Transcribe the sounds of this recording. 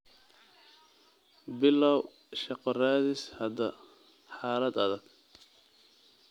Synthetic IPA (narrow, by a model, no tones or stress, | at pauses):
bɪlːɐw | ʃɑqɔraːðɪshɐd̪ɐ | ħɑːlɐd̪ɐðɐɡ̥